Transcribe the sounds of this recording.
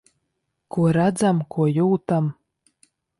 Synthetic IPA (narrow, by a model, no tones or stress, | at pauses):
kuɔɾad̪zamkʰuɔjuːt̪am